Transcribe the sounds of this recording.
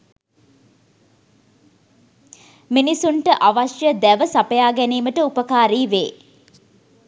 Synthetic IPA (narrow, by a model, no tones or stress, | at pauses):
minisuɳʈəʔaʋaʃjəd̪æʋəsapəjaːɡɛniːməʈəupəkaːɾiːʋeː